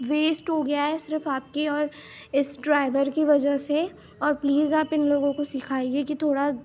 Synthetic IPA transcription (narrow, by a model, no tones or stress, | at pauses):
ʋeːsʈɦoɡɐjaɦɛsɪɾfaːp̚keɔːɾɪsɖɾaːɪʋəɾkiʋɐd͡ʒəɦse | ɔːɾpliːzaːpɪnloːɡõkosɪkʰaːiɡekit̪ʰoːɽa